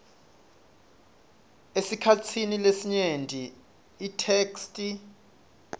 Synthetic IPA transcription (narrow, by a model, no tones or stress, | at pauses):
esikʰat͡sʰinilesiɲendʱiː | tʰekstʼi